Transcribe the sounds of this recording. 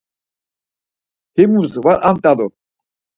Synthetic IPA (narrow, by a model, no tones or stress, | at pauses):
himuɾzvaɾʔamt̪ʼalu